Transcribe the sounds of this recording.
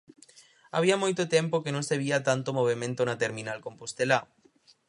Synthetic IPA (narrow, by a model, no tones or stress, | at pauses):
a̰β̞iamojt̪ot̪empokenõŋseβiat̪ant̪omoβ̞emẽnt̪onat̪eɾmĩnalkõmpost̪ela